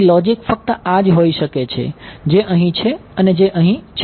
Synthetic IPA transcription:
lɔd͡ʒɪkfək̚t̪əad͡ʒɦoiʃəket͡ʃʰḛd͡ʑeʔəɦĩt͡ʃʰeəned͡ʒeʔəɦĩt͡ʃʰ

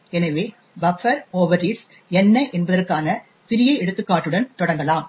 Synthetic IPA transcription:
ɛnɐʋeː | bɐfɐɾoːʋɐɾis | ɛnːɐɪʔɛnbɐðɐrkaːnɐ | pɪɾɪjɐɪɛɽɯt̪ːɯkːaːʈːɯɽɐnt̪ɔɽɐŋɡɐlaːm

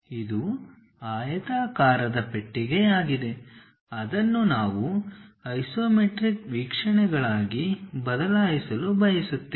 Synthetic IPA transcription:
id̪u | aːjɐt̪aːkaːɾɐd̪ɐpe̞ʈːiɡe̞aːɡid̪e̞ | ɐd̪ɐnːunaːʋuɐjsoːmeʈɾikʋiːkʂɐɳɛɡɐɭaːɡibɐd̪ɐlaːjisɐlubɐjisut̪ːe

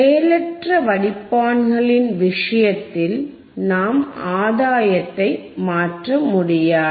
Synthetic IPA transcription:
eːlɐʈrɐʋɐɽɪpːaːnɣɐɭɪnʋɪʂɐjɐt̪ːɪl | naːmaːðaːjɐt̪ːɐɪmaːʈrɐmʊɽɪjaː

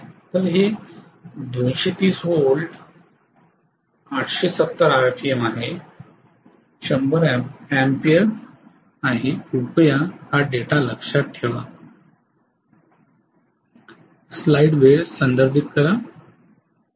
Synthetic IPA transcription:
t̪əɾɦe | d̪õnɕet̪iːsɦolɖ | aʈʰɕesət̪ːəɾaɾfʰijəmaɦe | ɕəmbəɾæmpijəɾ | aɦiupjahaɖeʈaləkʂat̪̚ʈʰeʋa̰ | slajɖʋeɾsənd̪əɾd̪ʱit̪̚kəɾa

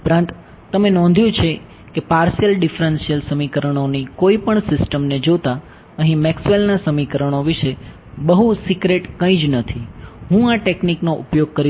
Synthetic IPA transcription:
pɾãnt̪ | t̪əmenɔ̃nd̪ʱjũt͡ʃʰe | kepaɾsjəlɖɪfɾənsijəlsəmikəɾəɳ̃onikoipəɳsɪsʈəmned͡ʒot̪a | əɦĩmɛksʋelnasəmikəɾəɳ̃oʋiʃe | bəɦusikɾeʈkə̃ĩd͡ʒnət̪ʰiɦũaʈekniknoʔupjoɡ̚kəɾi

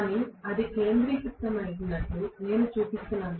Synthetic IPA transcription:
niɐðikeːnd̪ɾikit̪ːɐmɐjɡunːɐʈːuneːnut͡ʃuːpist̪ːunɐːn

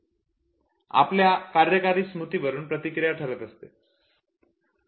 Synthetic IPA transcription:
a̰pljakaɾjəkaɾiːsmut̪ibəɾuːnpɾət̪ikɾijaʈʰəɾət̪əst̪e

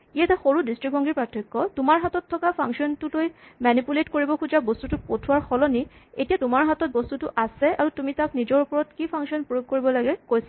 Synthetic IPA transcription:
iataxoɹudistɹik̚bɔŋɡiɹpɹatʰːɔkːɔtʊmaɹɦatɔtʰːɔkapʰaŋksɔntutojmanipuletkoɹibɔkʰud͡ʒabɔstutupotʰʊwaɹxɔlɔnietijatʊmaɹɦatɔt̚bɔstutuʔasɛaɹutumitaknizɔɹupɔɹɔtkipʰaŋsɔnpɹojoɡ̚koɹibɔlaɡɛkojsa

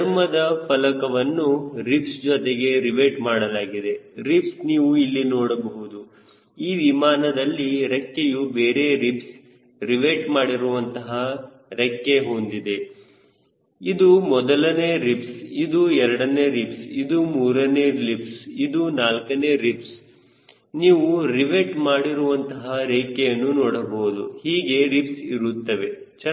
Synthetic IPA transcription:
ɐɾmɐd̪ɐpʰɐlɐkɐʋɐnːuɾipsd͡ʒɔt̪eɡe̞ɾiʋeɾʈmaːɽɐlaːɡid̪e̞ɾipsniːʋuilːinoːɽɐbɐɦud̪u | iːʋimaːnɐd̪ɐlːiɾekːejubeːɾe̞ɾips | ɾiʋeɾʈmaːɽiɾuʋɐnt̪ɐɦɐ | ɾɛkːeɦond̪id̪e̞ | id̪umɔd̪ɐlɐneːɾipsid̪uɛɾɐɽɐneːɾipsid̪umuːɾɐneːlipsid̪unaːlkɐneːɾips | niːʋuɾiʋeʈmaːɽiɾuʋɐnt̪ɐɦɐɾeːkːejɐnːunɔːɽɐboːd̪ṵhiːɡe̞ɾipsiɾut̪ːɐʋe̞ | t͡ʃ

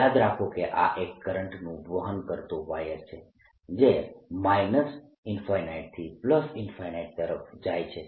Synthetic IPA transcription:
ad̪ɾakʰokeʔa̰ʔekːəɾəɳʈnũbʋəɦənkəɾt̪oʋajəɾt͡ʃʰe | d͡ʒemajnəs | ɪnfajnaiʈ̚t̪ʰipləsɪnfajnaiʈ̚t̪əɾəfd͡ʒajt͡ʃʰe

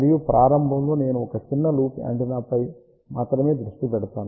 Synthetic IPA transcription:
ɾijupɾaːɾɐmbʱɐmlo̞ːne̞ːnuɔkɐt͡ʃinːɐluːpɐ̰ɳʈinɐpɐj | maːt̪ɾɐme̞ːd̪ɾuʂʈipɛɽɐt̪aːnu

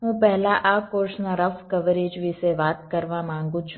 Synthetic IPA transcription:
ɦũpɛɦlaʔakoɾsnaɾəfkəʋəɾed͡ʒʋɪseʋat̪kəɾʋamãŋɡũt͡ʃʰ

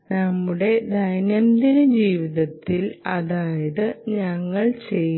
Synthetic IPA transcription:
nɐmːuɽe̞d̪ʱɐjnjɐnd̪inɨd͡ʑiːʋiðɐt̪ːilɐðaːjɐðɨɲɐŋːɐɭt͡ɕe̞j

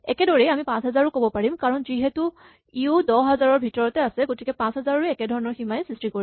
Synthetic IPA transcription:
ɛkɛdoɹiamipãsɦɛzaɹʊkobɔpaɹimkaɹɔnziɦɛtu | iudɔɦazaɹɔɹbʱitɔɹɔtɛasɛɡotikɛpãsɦɛzaɹɔɹiɛkɛdʱɔɹɔnɔɹximajsɹistɹikoɹi

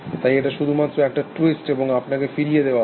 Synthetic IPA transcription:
t̪ajeʈaʃud̪ʱumat̪ːɾoɛk̚ʈaʈisʈeboŋapnakefiɾijed̪ewa

